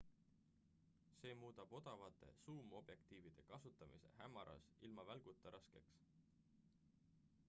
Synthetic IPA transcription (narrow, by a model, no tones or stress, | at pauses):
se̞ːmuːd̪̥ɑb̥o̞d̪̥ɑvɑt̪ːˑe̞̰suːmo̞b̥je̞kt̪iːvid̪̥e̞kɑsut̪ːˑɑmise̞̰ɦæmːɑɾʔɑ̰silmɑvælɡ̥ut̪ːˑɑɾʔɑske̞ks